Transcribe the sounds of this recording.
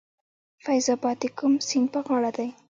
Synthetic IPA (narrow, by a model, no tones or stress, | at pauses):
fajzɑbɑt̪ikʊmsinpəɣɑɽad̪aj